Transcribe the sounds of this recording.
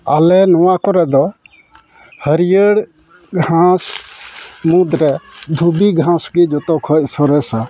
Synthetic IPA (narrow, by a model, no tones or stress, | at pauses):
alɛnɔwakɔɾɛd̪ɔ | həɾijəɽ | ɡʱãs | mud̪ɾɛd̪ʱubiɡʱãsɡid͡ʒɔt̪ɔkʰɔc̚sɔɾɛsa